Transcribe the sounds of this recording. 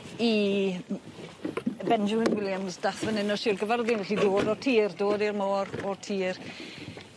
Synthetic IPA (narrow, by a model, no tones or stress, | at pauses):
i | bɛnd͡ʒʊmɪnwɪlˠjamzdaχvənɪnɔʃiːrɡəvaɾðinvɛɬidoːdɔtʰiːrdoːdirmoːɾɔtʰiːr